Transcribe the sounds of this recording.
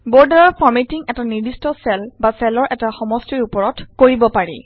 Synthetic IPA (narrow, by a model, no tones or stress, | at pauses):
bɔɹdaɹɔɹpʰɔɹmetiŋɛtaniɹdistɔsɛlbasɛlɔɹʔɛtaxɔmɔstiɹupɔɹɔtkoɹibɔpaɹḭ